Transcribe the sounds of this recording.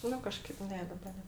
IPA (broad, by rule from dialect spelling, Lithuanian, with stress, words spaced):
ˈnʊ kɐˈʃkɐɪp ˈnʲɛ ˈdɑːbɐ ˈnʲɛ